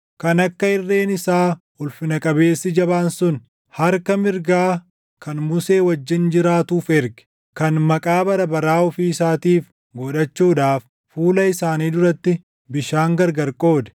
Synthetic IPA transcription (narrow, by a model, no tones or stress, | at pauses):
kɐnɐkːɐɪrːe̞ːnɪsaː | ʊlfɪnɐkʼɐbe̞ːsːɪd͡ʒɐbaːnsʊn | hɐɾkɐmɪɾɡaː | kɐnmʊseːwɐd͡ʒːɪnd͡ʒɪɾaːt̪uːfɛɾɡɛ̥ | kɐnmɐkʼaːbɐɾɐbɐɾaːɔfiːɪsaːt̪iːf | ɡɔᶑɐt͡ʃːuːᶑaːf | fuːlɐɪsaːniːd̪ʊɾɐt̪ːɪ | bɪʃaːŋɡɐɾɡɐɾkʼo̞ːd̪ɛ̥